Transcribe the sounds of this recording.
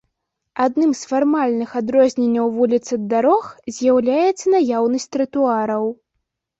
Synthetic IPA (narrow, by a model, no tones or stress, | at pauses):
ad̪nɨmsfarmalʲnɨxad̪ɾɔzʲnʲenʲːɐwvulʲit̪sɨd̪ːaɾɔxzʲjawlʲajɛt̪sːɐnajawnɐsʲtʲt̪ɾɨt̪uaɾɐw